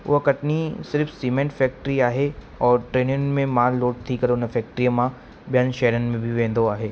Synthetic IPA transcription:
ʊ̰kɐʈnisɪɾfʰsiːmẽɳʈfɛːk̚ʈɾiaːɦe | ɔːɾʈɾeːnɪənmẽmaːɾloːʈ̚t̪ʰikɐɾoʊnəfɛːk̚ʈɾijamã | bjanʃɛːɾənmẽbʱiʋẽːn̆d̪oaːɦeː

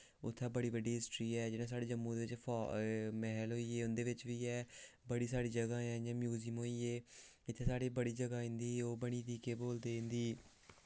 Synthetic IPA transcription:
ʊ̰t̪ʰːãːbəɽiːbəɖiːɦɪsʈɾiːɛːd͡ʒɪnãːs̬aːɽeːd͡ʒəmːũːd̪eːʋɪt͡ʃpʰː | mɛɦlɦoːiːeːʊnd̪eːʋɪt͡ʃʋiːɛːbəɽiːsaːɽiːd͡ʒəɡãːɛ̃ːjãːmjuːzimɦoːiːeː | ɪt̪ʰːeːsaːɽiːbəɽiːd͡ʒəɡaːɦɪ̃nd̪iːoːbəɽ̃iːd̪iːkeːboːld̪eːɦɪ̃nd̪iː

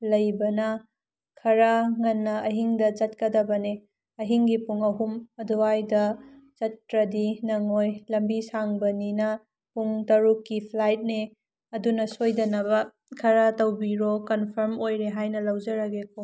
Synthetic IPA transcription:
lɐjbɐnɐ | kʰɐɾɐŋɐnːɐɐɦiŋdɐd͡ʒɐt̚kɐdɐbɐne | ɐɦiŋɡipuŋɐɦumɐduajdɐ | d͡ʒɐtɾɐdinɐŋojlɐmbisaŋbɐninɐ | puŋtɐɾukːipʰlajt̚ne | ɐdunɐsojdɐnɐbɐ | kʰɐɾɐtɐwbiɾokɐnpʰɐɾmojɾeɦajnɐlɐwd͡ʒɐɾɐɡekʰo

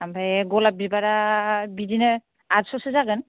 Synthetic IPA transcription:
ambʱajɡolab̚bibaɾabidinɛ | azsɔsezaɡən

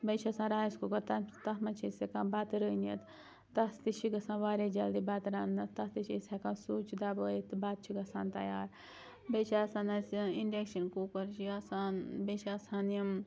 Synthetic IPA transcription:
bet͡ʃʰɐsãːɾaːjiskukɐɾt̪ɐt̪ɐɦmɐt͡ʃʰisekãːbaːt̪ɾəinɐt̪ | t̪ɐst̪it͡ʃʰiɡɐsãːnʋaːɾed͡ʒɐld̪ibat̪ɾaːnnɐt̪ɐst̪it͡ʃʰisɐkãːnsuːt͡ʃʰd̪abəːjet̪baːt̪̚t͡ʃʰiɡɐsaːnt̪ɐjaːɾ | bet͡ʃʰaːsaːnɐsinɖekʃɐnkuːkɐɾt͡ʃʰiasaːnbet͡ʃʰaːsaːnim

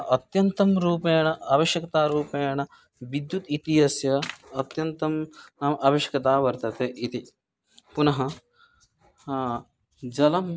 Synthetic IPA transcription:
ʔɐt̪jɐnt̪ɐmɾuːpeːɳɐʔaːʋɐʃjɐkɐt̪aːɾuːpeːɳɐ | ʋid̪jut̪it̪ijɐsjɐːt̪jɐnt̪ɐmnaːmʔɐʋɐʃjɐ̥kɐt̪aːʋɐɾt̪ɐt̪eːʔit̪i | punɐɦɐ | d͡ʒɐlɐm

